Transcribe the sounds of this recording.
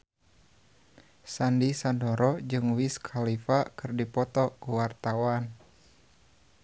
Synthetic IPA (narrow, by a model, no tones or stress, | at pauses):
sandisandɔɾɔd͡ʒɨŋwiskʰalifakɨrdipɔt̪ɔkuwart̪awan